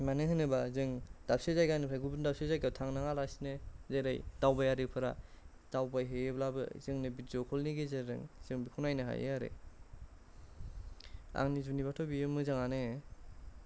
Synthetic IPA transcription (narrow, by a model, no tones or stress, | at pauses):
manɯɦɯnɯbazɯŋd̥ap̚sezajɡanɯpʰɾaɡubɯndap̚sezajɡawtʰaŋnaŋalasinɯzeɾajd̥awbajaɾɯkpʰɯɾa̰ | d̥awbajɦejeblabɯ̰zɯŋnɯbitzɔkʰɔlniɡezeɾɯ̰ŋz̥ɯŋbikʰunajnɯɦa̰jḛaɾḛ | a̰ŋnizunibatʰobijɯmɯzaŋanɯ